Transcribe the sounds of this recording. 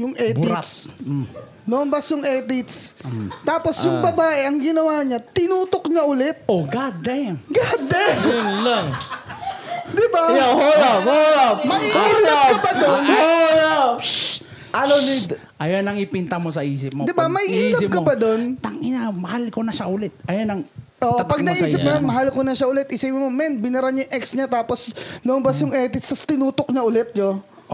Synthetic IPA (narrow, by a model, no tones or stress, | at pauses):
jʊŋʔɛːtb̪ɾa | noʔnbɐsjʊŋʔɛːt̪ɪt̪st̪aːpo̞sjʊŋbɐbaːʔɛʔɐŋɡɪnɐwaːɲɐt̪ɪnuːt̪ok̚ɲaʔʊlɛt̪̚oɡad̪ɐjɡad̪ɛlɐ | d̪ɪbaaholaolamɐʔiiːlɐpkɐpad̪onola | ʔaloni | ʔɐjonɐŋɪpint̪ɐmosɐʔiːsɪp̚mod̪ɪbamɐjiʔilɐsɪp̚kɐpɐd̪o̞nt̪ɐŋʔɪnamɐhalkonɐʃaʔʊlɛt̪̚ʔɐjonɐŋ | ʔoːʔɐpɐɡ̚nɐʔiːsɪnɐjonmɐɦalkonɐʃaʔʊlɛt̪̚ʔɪsipmomɛnbɪnɐɾaɲʊŋʔɛksɲat̪aːposlombɐsjʊŋʔɛt̪ɪst̪ɐst̪ɪnuːt̪ok̚ɲaʔʊlɛt̪̚jo